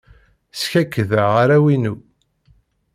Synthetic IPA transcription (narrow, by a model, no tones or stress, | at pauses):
sçækːəðəʁaɾæwinu